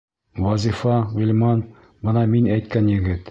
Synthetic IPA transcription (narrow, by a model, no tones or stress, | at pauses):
wɑzʲifɑʁʊ̆lʲmɑn | bɤnɑminæjt̪̚kænjɘ̆ɡɘt̪